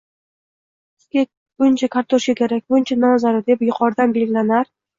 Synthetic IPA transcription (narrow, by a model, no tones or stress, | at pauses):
skʲe | b̥ʊnt͡ʃʰakʰaɾt̪ʰoʃkʲakʲʰe̞ɾak̚ʲbʊnt͡ʃʰanɒnzaɾad̪e̞pjʊqʰɒɾd̪anbe̞lɡʲɪlanaɾ